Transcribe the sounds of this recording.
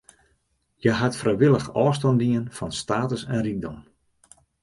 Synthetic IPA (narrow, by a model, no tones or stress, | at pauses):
jəɦatfrɛjʋɪlˠəxɔːs̬tɔndiənfɔnstaːtəsɛnrik̚dɔm